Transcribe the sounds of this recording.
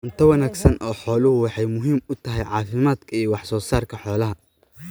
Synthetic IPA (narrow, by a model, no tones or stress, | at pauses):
nt̪ʰɐwɐnaːɡsɐnʔɔːħɔːlʊhʊwɑħɑjmʊɦiːmʊt̪ʰɐɦɛjʕɑːfɪmaːd̪kʰɐijɔwɑħsɔːsaːrkʰɐħɔːlɐɦɐ